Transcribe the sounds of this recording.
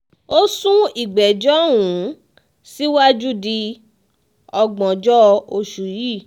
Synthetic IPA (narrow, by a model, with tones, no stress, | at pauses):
o˦sũ˦i˨ɡ͡bɛ˨d͡ʒɔ˦wũ˨˦ | si˦wa˦d͡ʒu˦di˧ | ɔ˧ɡ͡bɔ̃˨d͡ʒɔ˦o˧ʃu˨ji˦˨